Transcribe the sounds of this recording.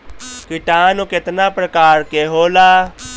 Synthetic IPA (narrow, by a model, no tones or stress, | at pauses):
kɪʈaːnoːkɪt̪naːpɾəkaːɾkeːɦoːlaː